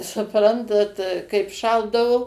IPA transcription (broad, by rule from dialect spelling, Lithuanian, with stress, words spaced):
sʊˈprɐntɐt kɐɪp ˈʃɐlˠdɐʋʊ